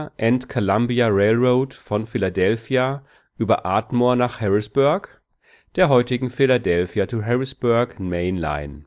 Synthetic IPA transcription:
ʔɛntkʰolambiaʁeːlʁoʊtfɔnfiladɛlfia | ʔyːbɐʔaːtmoːɐnaːχhɛʁɪsb̥ʊɐk | d̥eːɐɦɔʏtɪɡŋ̩filadɛlfjat͡suɦɛʁɪsb̥ʊɐkmeɪnla̰ɪn

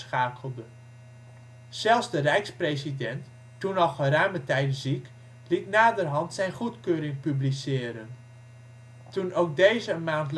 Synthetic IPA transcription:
sχaːkəlˠdə | sɛlˠzdərɛjksprejsidɛntː | unɔχərœɥmətɛjtzik | litnaːdərɦɑntsɛjnχutkøːɾɪŋpyblisɪːəɾən | tunowk̚dejzəənmaːntl

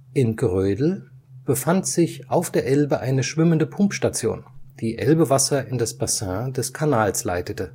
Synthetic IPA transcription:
ʔɪnɡʁøːdl̩ | b̥əfantz̥ɪçʔaʊfd̥eːɐʔɛlbəʔaɪnəʃv̥ɪməndəpʰʊmpʃtat͡sjo̰ːnd̥iːʔɛ̰lbəvasɐʔɪndasb̥asɛ̃dɛskʰanaːlslaɪtətə

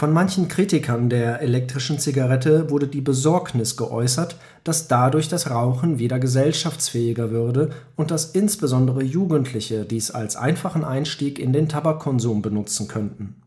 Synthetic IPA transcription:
fɔnmançn̩kʁ̥iːtɪkʰɐndeːɐʔelɛk̚tʁ̥ɪʃn̩t͡siɡaʁɛtəvʊɐdədiːbəzɔɐknɪsɡ̥əʔɔ̰ʏsɐt | d̥asd̥adʊɐçd̥asʁaʊχn̩viːdɐɡəzɛlʃaft͡sfɛːɪɡɐvʏɐdəʔʊnt̚d̥asʔɪnsb̥əzɔndəʁəjuːɡən̩tʰlɪçədiːsa̰lsʔa̰ɪnfaχn̩ʔaɪnʃtiːkɪndeːntʰabakʰːɔnzuːmbənʊt͡sn̩kʰœntn̩

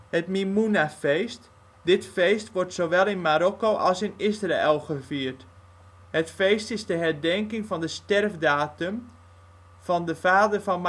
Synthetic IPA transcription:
hətmimunafest | dɪtfejstʋɔrtsoʋɛlˠɪnmaɾɔkowʔɔlˠsɪnɪsraʔɪlˠχəfiərt | hətfejstɪsdəɦɛrdɛŋkɪŋfɔndəstɛrfdaːtəm | fɔndəfaːdərfɔnm

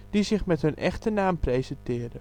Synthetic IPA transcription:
d̥izɪχmɛtɦɵnʔɛχtənaːmprejzɛntɪːɹdə

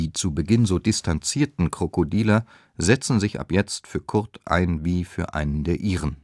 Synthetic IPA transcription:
iːt͡subəɡɪnzoːdɪstʰant͡siːɐtn̩kʁ̥okodiːlɐ | zɛt͡sn̩zɪçʔa̰pjɛt͡stfyːɐkʰʊɐtʔa̰ɪnviːfyːɐʔa̰ɪnəndeːɐʔiːʁən

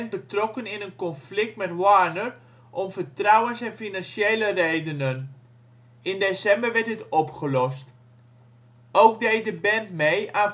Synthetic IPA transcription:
nt̚bətrɔkənɪnənkɔnflɪk̚tmɛtwanər | ʔɔmfəɹtrawənsɛnfinansjejlərejdənən | ɪndesɛmbəɹʋɛɹt̚dətɔpχəlɔst | owkdej̚dəbɛntmejʔaːn

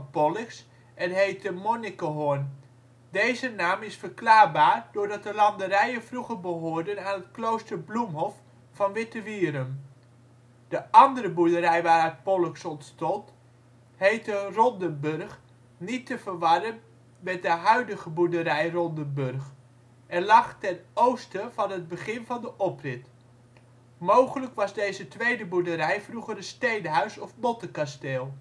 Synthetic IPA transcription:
pɔlɪks | ɛnɦejtəmonikəɦoɹn | dejzənaːmɪsfəɹklaːɹbaːɹdʊːɹdɑt̚dəlɑndəɾɛjənvruχəɹbəɦʊːɹdənaːnɦət̚klowstəɹblumɦɔf | fɑnʋɪtəʋiːɾəm | d̥əʔɑndəɾəbuɹdəɾɛjʋaːɾət̚pɔlɪksɔntstɔnt | hejtərɔndəbørχ | nitəvərʋɑdən | mɛt̚dəɦœɥdəχəbudəɾɛjrɔndəbørχ | ʔɛnlɑχtɛnowstəv̥ɑnɦəd̚bəχɪnvɑndəʔɔprɪt | mowχələkʋɑzdejzətʋejdəbudəɾɛjfruχərənstejnəɦœɥsɔfmɔtəkasteːlˠ

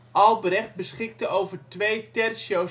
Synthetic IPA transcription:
ʔɑlˠbəɾɛχt̚bəsχɪk̚təʔowvərtʋejtɛrsjo

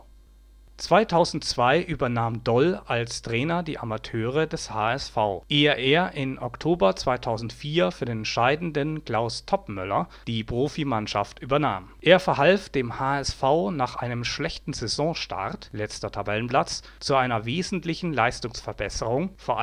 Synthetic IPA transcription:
t͡sv̥aɪtʰaʊzn̩tt͡sv̥aɪʔyːbɐnaːmdɔlalstʁ̥ɛːnɐdiːʔamatʰøːʁədɛshaːɛsfaʊʔeːəʔeːɐʔɪnʔɔktʰoːbɐt͡sv̥aɪtʰaʊzn̩tfiːɐfyːɐdeːnɛntʃaɪdn̩dənkl̥aʊstʰɔpmʏlɐ̰d̥iːpʁ̥oːfimanʃa̰ftʔyːbɐnaːmʔeːɐfɛɐɦalfd̥eːmhaːɛsfaʊnaːχʔa̰ɪnəmʃlɛçtn̩zɛzɔ̃ʃtʰa̰ʁtlɛt͡stɐtʰabɛlənpʰlat͡s | t͡suaɪnɐveːzn̩tlɪçn̩laɪstʊŋsfɛɐbɛsəʁʊŋfoːɐʔ

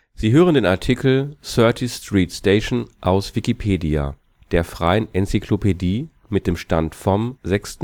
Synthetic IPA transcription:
z̥iːɦøːʁəndeːnaɐtʰikʰl̩sœɐtʰistʁ̥iːtsteɪʃnʔaʊsv̥ikipʰeːdia̰ | d̥eːɐfʁ̥a̰ɪənʔɛnt͡sikʰlopʰediː | mɪt̚d̥eːmʃtantfɔmzɛkst̩

